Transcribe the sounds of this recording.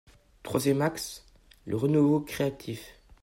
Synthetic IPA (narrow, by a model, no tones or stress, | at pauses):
t̪χwazjɛmaks | lʔəʁənuvokχeat̪ʰif